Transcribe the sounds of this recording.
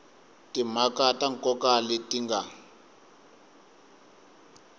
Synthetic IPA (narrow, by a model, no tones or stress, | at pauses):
timakataŋ̩kɔkalitiŋɡa